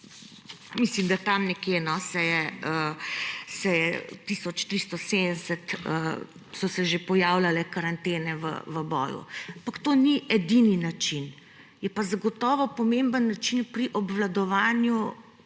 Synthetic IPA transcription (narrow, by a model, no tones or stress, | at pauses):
mislimd̪at̪amnɛkjenɔsɛjɛə | sɛjɛt̪isɔt͡ʃt̪ɾist̪ɔsed̪nd̪sɛt̪ə̰ | sɔsɛʒepɔjaːwlalɛkaɾant̪eːnɛʋə̰ʋəbɔ̰ːjṵapakt̪oːniʔɛd̪ininat͡ʃin | jɛpazaɡɔt̪ɔːʋɔpɔmembənːat͡ʃinpɾiʔɔbʋlad̪ɔʋaːnju